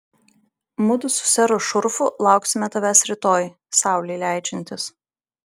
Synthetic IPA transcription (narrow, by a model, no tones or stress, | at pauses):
mʊd̪ʊsʊ̥sʲɛɾʊʃʊɾfʊlˠɑˑʊksʲɪmʲɛt̪ɐʋʲæːsɾʲɪt̪oːj | sɑˑʊlʲɛɪlʲæˑɪt͡ʃʲɛnʲt̪ʲɪs